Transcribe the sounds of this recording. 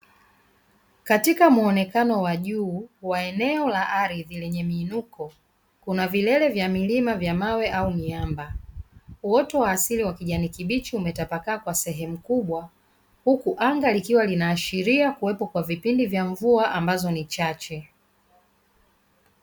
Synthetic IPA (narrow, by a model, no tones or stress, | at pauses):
katikamuɔnɛkanɔwaʄuːwaɛnɛɔlaʔaɾiðilɛɲɛmiːnukɔ | kunavilɛlɛvjamilimavjamawɛʔauniamba | uɔtɔwaːsiliwakiʄanikiɓit͡ʃiumɛtapakaːkwasɛɦɛmukuɓwa | hukuʔaŋɡalikiwalinaːʃiɾiakuwɛpɔkwavipindivjaɱvuaʔambazɔnit͡ʃat͡ʃɛ